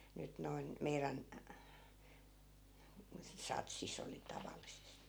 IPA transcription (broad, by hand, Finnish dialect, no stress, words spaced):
nyt noin meiræn sɑtsis oli tɑʋɑlːisesti